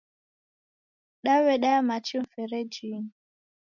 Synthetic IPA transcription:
ɗawɛɗaamat͡ʃiɱ̩fɛɾɛd͡ʒiŋ

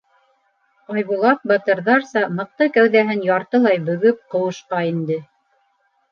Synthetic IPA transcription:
ɑjβulˠɑk̚bɑt̪ɤ̆ɾðɑɾsɑmɤ̆q̚t̪ɤkæwðæɦɘnjɑɾt̪ɤlˠɑjbɵ̆ɡɵp̚qɤ̆wɤ̆ʃqɑind̪ɘ

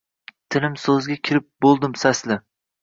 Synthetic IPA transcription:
t̪ʰɪlɪmsɵzɡʲakʲʰɪɾɪp̚bolˠd̪ɪmsaslɪ

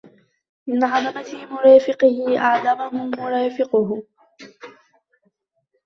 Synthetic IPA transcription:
mɪnʕɑd̪ˤɑmat̪ɪmʊɾɑːfɪqɪhɪʔaʕd̪amaɦʊmʊɾˤɑːfɪqʊɦʊ

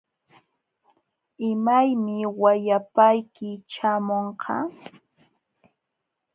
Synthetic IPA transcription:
ɪmajmɪwajapajkɪt͡ʃamoɴqʰɑ̰

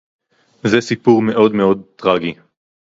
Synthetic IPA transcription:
zesipuʁme̞ʔo̞dme̞o̞d̚tʁaɡi

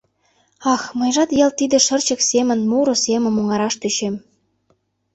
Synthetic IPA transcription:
ɑxmə̆jʒɑt̪jɑlt̪id̪ĕʃə̆rt͡ɕə̆ksemə̆nmuɾosemə̆moŋɑɾɑʃt̪yʃem

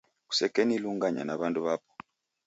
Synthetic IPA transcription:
ku̥sɛkeniluŋɡaɲa̰naβanduβapɔ̥

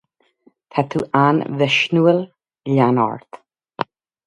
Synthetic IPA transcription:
t̪ʰat̪ʰuːʔanvɪʃnuəl | ʎanɔ̰ɹt̪

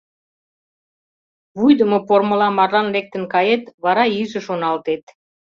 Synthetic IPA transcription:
βujd̪əmopormə̆lɑmɑrlɑnlek̚t̪ə̆nkɑjet̪βɑɾɑyʒə̆ʃonɑlt̪et̪

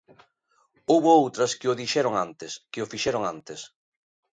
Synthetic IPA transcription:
owβʊowt̪ɾɐskɪʊðiʃɛɾoŋant̪ɪskɪʊfiʃɛɾʊŋant̪ɪs

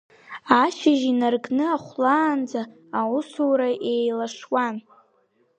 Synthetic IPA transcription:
aʃaʒinarɡʼnɨaχʷlaːnd͡zaː | usuwɾaʔejlaʂwan

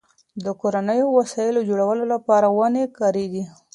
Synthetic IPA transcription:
d̪əkoɾanəjowasɑjɪlod͡ʒoɽawəlolapɑɾawanekɑɾeɡi

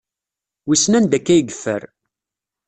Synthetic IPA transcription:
wisnænd̪ækːæjəɡəfːə̰ɾ

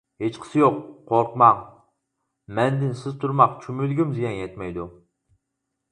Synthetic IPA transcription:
het͡ʃqʰə̥sɨjoqːʰoɾqmɑŋ | mɛnd̪ɪnsɪzt̪ʰuɾmɑqt͡ʃʰymylɡʲimzijɛnjɛt̪mɛjd̪u

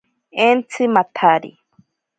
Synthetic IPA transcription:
ent͡sʰɨmat̪ʰaɾḭ

